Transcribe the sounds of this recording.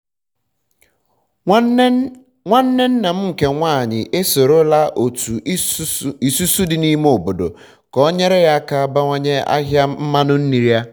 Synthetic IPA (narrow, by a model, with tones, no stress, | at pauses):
ŋʷa˦n̩˦ne˦n̩˦na˨m̩˦ŋ̩˨ke˨ŋʷaː˦˨ɲɪ̰˨ʔe˦so˨ɾo˦la˦ʔo˨tu˨˦i˨su˦su˦dɪ˨ni˦m˦o˨bo˨do̰˨ | kɔ˦o˦ɲe˦ɾe˦ɣa˦˨ka˦a˦ba˦ŋʷo˦ɲe˦a̰˦ɦja˦m̩˦ma˦nʊ˦n̩˦ni˨ɾi˦a˦